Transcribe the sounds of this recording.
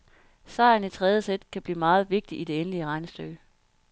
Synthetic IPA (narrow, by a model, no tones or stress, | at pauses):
sɑ̈ɪ̰n̩it͡sʰʁɛð̞ˠjəsed̥kʰæb̥lḭːmɑ̈ːð̞̩ˠʋe̝ɡ̥̚d̥iʔid̥e̝enəliəʁɑ̈ɪnəsd̥øɡ